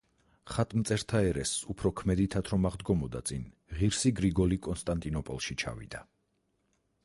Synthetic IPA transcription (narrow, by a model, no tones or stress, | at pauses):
χat̪ʼmt̪sʼɛɾt̪ʰaɛɾɛsupʰɾɔkʰmɛd̪it̪ʰat̪ʰɾɔmaʁd̪ɡɔmɔd̪a̰t̪sʼin | ʁiɾsiɡɾiɡɔlikʼɔnst̪ʼant̪ʼinɔpʼɔlˠʃit͡ʃʰa̰vḭd̪a